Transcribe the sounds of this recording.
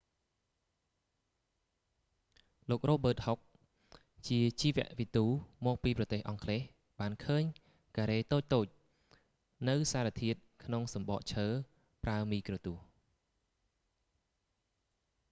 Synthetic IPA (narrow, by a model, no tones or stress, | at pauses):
loːk̚roːɓəːt̪̚hok̚ | t͡ɕiət͡ɕiːʋɛ̆əʔʋit̪uːmɔːk̚piːprɑt̪eːhʔɑŋkʰleːh | ɓaːnkʰəːɲ | kaːɾeːt̪oːc̚t̪oːc̚ | nɨwsaːɾat̪ʰiət̪̚kʰnoŋsɑmɓɑ̰ːʔt͡ɕʰəː | praəmiːkrɔːt̪uəh